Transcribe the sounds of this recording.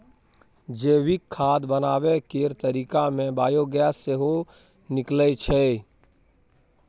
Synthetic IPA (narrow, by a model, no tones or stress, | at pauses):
d͡ʒeːwikʰːaːd̪bənaːwekeːɾt̪əɾiːkamẽbaːjoɡjaseɦo | nɪklət͡ʃʰɛ